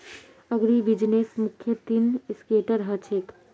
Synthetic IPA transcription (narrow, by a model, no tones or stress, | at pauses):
əɡɾibid͡ʒnesmukʰːjət̪inskeːʈəɾɦɐt͡ʃʰek